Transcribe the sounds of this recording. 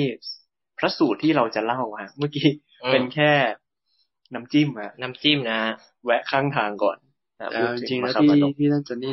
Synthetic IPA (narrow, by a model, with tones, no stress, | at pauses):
t̪ʰiː˥˩ | pʰɾa˦˥suː˨˩t̪ʰːiː˥˩ɾa˧wt͡ɕa˨˩la˥˩wha˦˥ma˥˩kiː˦˥ | pe˧nkʰɛː˥˩ | na˦˥mt͡ɕiː˥˩ma˦˧na˦˥mt͡ɕi˥˩mna˦˥ | wɛ˦˥ʔkʰaː˥˩ŋt̪ʰaː˧ŋkɔ̰ː˨˩n | a̰˧˩pu˦˥˧ɯ˩i˧ŋ˦˥ka˧a˧˩˨iː˥˩naː˥˩t͡ɕa˨niː˥˩